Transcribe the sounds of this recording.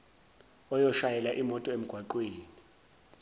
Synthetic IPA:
ɔjɔʃajɛlaʔimɔtʼɔem̩ɡ̥ʱwaǃweːni

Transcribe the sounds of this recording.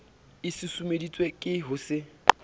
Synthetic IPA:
ɪsɪsumedit͡sʼwekʼɪɦʊsɪ

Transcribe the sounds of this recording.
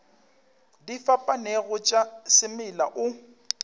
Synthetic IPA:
difapʼaneɣʊt͡ʃʼasɪmɪlaʔʊ

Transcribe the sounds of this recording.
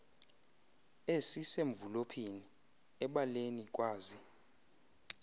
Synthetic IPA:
esiseɱvulopʰini | ɛɓalenikʼwaːzi

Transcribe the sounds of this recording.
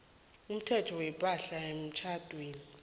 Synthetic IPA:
um̩tʰɛtʰɔwɛpʼaɬaem̩t͡ʃʰatʼweːni

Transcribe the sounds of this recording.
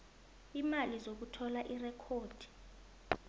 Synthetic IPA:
imalizok̬utʰɔlaʔirɛkʰoːd̥ʱi̥

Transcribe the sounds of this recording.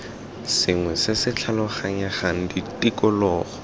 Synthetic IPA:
sɪŋwɛsɪsɪt͡ɬʰalɔχaŋaχaŋ̩ditʼikʼɔlɔːχɔ̥

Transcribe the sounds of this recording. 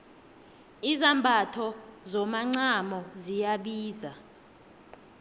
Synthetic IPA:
izambʱatʰɔzɔmaŋ͡ǀamɔzijaɓiːza

